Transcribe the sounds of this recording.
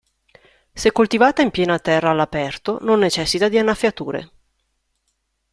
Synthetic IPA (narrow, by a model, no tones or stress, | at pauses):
sekːolt̪ivaːt̪aimpjɛːnat̪ɛrːaːlːapɛrt̪ononːet͡ʃɛsːit̪ad̪ianːafːjat̪uːɾḛ